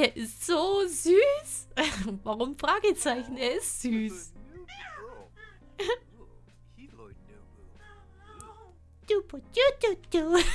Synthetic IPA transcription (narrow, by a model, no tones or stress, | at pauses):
eɐʔɪstz̥oːzyːs | vaʁʊmfʁ̥aːɡət͡saɪçn̩eːɐɪstz̥yːs | d̥upʊtjududu